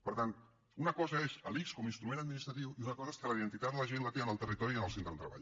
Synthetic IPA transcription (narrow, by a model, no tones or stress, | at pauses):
pəɾt̪an | unəkɔzəezəlikskɔminst̪ɾumẽnəd̪minist̪ɾət̪̬iwiunəkɔzəeskələiðənt̪it̪ad̪d̪ələʒenlət̪eənəlˠt̪ərit̪ɔɾiənəlˠsent̪ɾəðt̪ɾəβa̰ʎ